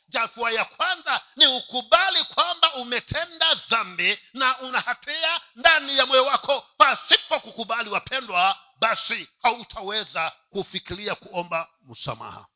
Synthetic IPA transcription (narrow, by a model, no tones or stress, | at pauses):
d͡ʒatuajakwanzaniukuɓalikwambaumɛtʰɛndaðambinaʔunahatʰiandanijamwɛjɔwakʰɔpasipɔkukuɓaliwapʰɛndwa | ɓasihautʰawɛzakufikiliakuɔmba | musa̰ma̰ha̰